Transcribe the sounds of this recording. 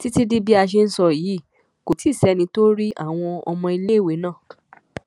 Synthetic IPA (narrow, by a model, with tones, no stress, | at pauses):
ti˦ti˦di˦bi˦a˧ʃ̬e˧n̩˦sɔ˧jiː˨˦ | ko˨ti˦˨sɛ˨˦nĩ˧to˦ɾi˦ʔa̰˦˨w̃ɔ̃˧ɔ̰˧mɔ̃˧i˧le˦˨we˨˦nãː˦˨